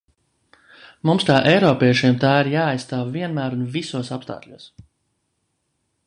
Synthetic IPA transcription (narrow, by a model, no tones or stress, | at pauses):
mumst̪aːʔɛjɾɔːpʲiɛʃiɛmt̪aːiɾjaːajst̪aːvviɛnmæːɾunvisuɔsapst̪a̰ːklʎʲuɔs